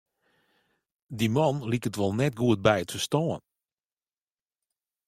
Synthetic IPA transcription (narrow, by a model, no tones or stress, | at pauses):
dimɔnlikətʋɔlˠnɛtɡuət̚bɛjətfəstɔːən